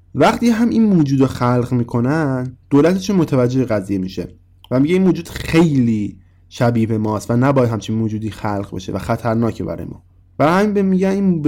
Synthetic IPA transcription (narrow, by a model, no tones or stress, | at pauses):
væχt̪ʰiceɦæminmoːd͡ʒuːd̪oxælɢmiːkʰo̞nænd̪̥oːlæt̪ʰeʃænmot̪ʰævæd͡ʒːeheɣæziːjemiːʃḛ | væmiɡɟeinmoːd͡ʒuːd̪̥xe̞jliː | ʃæbiːbe̞mɒːst̪vænæbɒːjæd̪hæmt͡ʃʰinmoːd͡ʒuːd̪iːxælʁbḛʃe̞̰væ̰xæt̪ʰæɾnɒːcʰebæ̰ɾɒ̰jḛmɒ̰ː | væhæmimbemiɟænin